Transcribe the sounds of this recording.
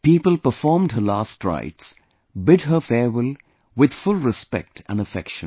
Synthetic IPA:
piːpəlpə˞fɔɹmdɦəlaːstɹa̰ɪts | bɪd̚ɦəfɛɹwɪlˠ | wɪd̪̥fʊlˠɹɪspɛ̰k̚tʰə̰̃nəfɛ̰kʃə̃

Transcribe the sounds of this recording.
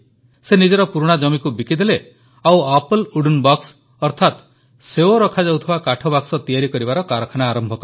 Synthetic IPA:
senid͡ʒɔɾɔpuɾuɽ̃ad͡ʒɔmikubikid̪ele | awapɔluɖunbɔks | ɔɾt̪ʰat̪ | seoɾɔkʰad͡ʒawt̪ʰibakaʈʰɔbaksɔt̪ijaɾikɔɾibaɾɔkaɾɔkʰanaːɾɔmbʱɔkɔɾ

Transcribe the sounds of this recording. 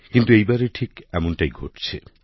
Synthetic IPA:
kint̪uejbaɾeʈʰikɛmonʈajɡʱoʈt͡ɕʰe

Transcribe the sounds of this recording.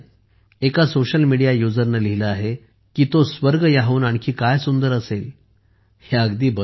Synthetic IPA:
ekasoɕəlmiɽijajud͡zəɾnəliɦiləaɦe | kiːt̪osʋəɾɡjaɦuːnaɽ̃kiːkajsund̪əɾəsel | heəɡd̪iːbə

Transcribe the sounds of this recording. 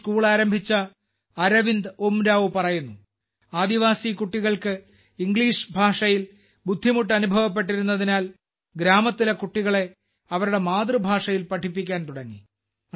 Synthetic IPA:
skuːɭaːɾɐmbʱit͡ɕːɐː | ɾɐʋind̪omɾaːʋɨpɐrɐjunːu | aːd̪iʋaːsikuʈːiɣɐɭkɨ | iŋɡɭiːʂbʱaːʂɐjil | bud̪ʱːimuʈːɐnubʱɐʋɐp̬ːe̞ʈ̬ːiɾunːɐðinaːl | ɡɾaːmɐt̪ːilekuʈːiɣɐɭe̞ | ɐʋɐɾuɽe̞maːd̪rɨbʱaːʂɐjilpɐʈʰipːikʲːaːnt̪uɽɐŋːḭ

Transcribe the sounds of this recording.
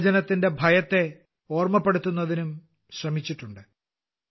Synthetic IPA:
d͡ʑɐnɐt̪ːinde̞bʱɐjɐt̪ːe̞ | o̞ːrmɐpːeɽut̪ːunːɐðinum | ɕrɐmit͡ɕːiʈːuɳɖɨ

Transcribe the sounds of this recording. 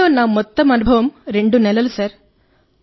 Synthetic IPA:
oːnːaːmɔt̪ːɐmɐnubʱɐʋɐmɾeɳɖunɛlɐlsɐɾ

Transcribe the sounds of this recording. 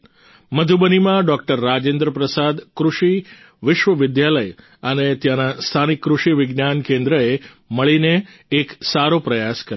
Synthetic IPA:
məd̪ʱubənimãɖɔkʈəɾːad͡ʒẽnd̪ɾəpɾəsad̪kɾuʃi | ʋɪʃʋəʋɪd̪jaləj | ənet̪janast̪ʰanikːɾuʃiʋɪɡnankẽnd̪ɾəe | məɭineːksaɾopɾəjaskəɾ

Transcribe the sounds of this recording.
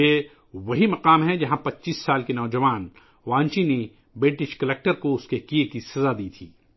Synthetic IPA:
e | ʋɐɦimɐqaːmɦɛ̃d͡ʒɐɦãpɐtːt͡ʃiːsːaːlkinɔːd͡ʒɐʋaːn | ʋãːɲt͡ʃine | bɾɪʈɪʃkɐleːk̚ʈəɾkoʊskekijekisɐzad̪iːt̪ʰiː

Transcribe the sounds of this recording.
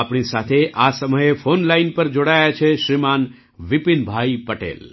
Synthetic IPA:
apɳ̃isat̪ʰeʔasəməjefʰonlainpəɾd͡ʒoɽajat͡ʃʰeʃɾiman | ʋipinbʱaipəʈḛl

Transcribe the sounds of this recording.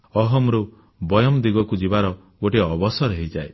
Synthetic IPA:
ɔɦɔmɾu | bɔjɔmd̪iɡɔkud͡ʒibaɾɔ | ɡoʈeɔbɔsɔɾeɦid͡ʒae

